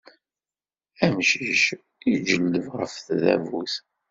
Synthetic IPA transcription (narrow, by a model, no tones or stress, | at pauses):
æmʃiʃ | id͡ʒəlːəvʁəfθðæ̰vuθ